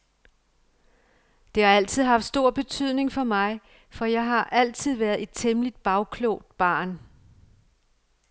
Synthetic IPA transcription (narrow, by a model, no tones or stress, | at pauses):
d̥e̝hɑ̈æl̰t͡sʰið̞̰ˠɦɑ̈fd̥sd̥o̝ɐ̰b̥e̝t͡sʰyð̞̰ˠne̝ŋfɒ̽mɑ̈ɪ | fɒ̽jɑ̈ɪɦɑ̈ʔæl̰t͡sʰið̞̰ˠʋæːɐðˠe̝d̥̚t͡sʰemlid̥̚b̥ɑ̈ʊkʰlɔ̰ːd̥̚b̥ɑ̰̈ːn